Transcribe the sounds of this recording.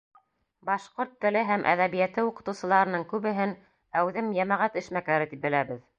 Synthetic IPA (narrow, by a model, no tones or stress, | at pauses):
bɑʃqoɾt̪ːɘ̆lɘɦæmʔæ̰ðæβijæt̪ɘuqɤ̆t̪ɤ̆wsɤ̆lˠɑɾɤ̆nɤɴkʉβɘ̆ɦɘn | æwðɘmjæmæʁæt̪ɘ̆ʃmækæɾɘt̪ip̚bɘ̆læβɘð